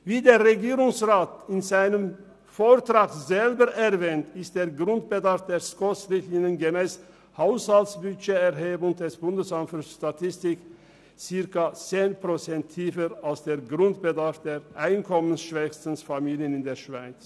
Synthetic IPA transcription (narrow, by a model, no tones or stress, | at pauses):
viːdeːɐʁeɡiːʁʊŋsʁaːtɪnzaɪnəm | foːɐtʁ̥aːkzɛlbəʔɛʁvɛːntɪst̚d̥eːɐɡʁʊnt̚b̥ədaɐfd̥eːskɔsʁɪtlɪnənɡəmɛːs | haʊshaltsb̥yʃeɛʁɦeːbʊŋd̥ɛsb̥ʊndəsanfəsʃtatʰɪstɪk | t͡sɪɐkɐt͡seːnpʁ̥ot͡sɛntʰːiːfəɾalsd̥eːɐɡʁʊntb̥ədaɐfd̥eːʁʔaɪnkʰɔmənsʃv̥ɛçstən̩sfamiːljənɪndeːɐʃv̥aɪt͡s